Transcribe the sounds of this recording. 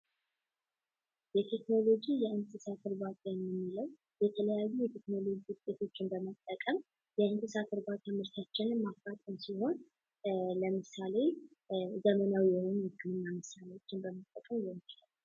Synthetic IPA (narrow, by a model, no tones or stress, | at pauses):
jɛt̪ʰekno̞lo̞d͡ʒijɛʔɨnt̪ʼɨsat̪ʰɨɾbat̪ʼajɛmjɛmːiləw | jɛt̪ʰələjajːujɛt̪ʰe̞kno̞lo̞d͡ʒiwʊt̪ʼːet̪ʰo̞t͡ʃːɪnbəmət̪ʼːəkʼəm | jɛɨnt̪ʼɨsat̪ɨɾbat̪ʰʼamɨɾt̪ʰat͡ʃːɪnɨnmafat̪ʼəmsiho̞n | ləmɨsale̞ | zəmənawjɛhonɨɡːɨmɨnːamɨsalewot͡ʃːɪnbəmət̪ʼːəkʼəmjɛmilə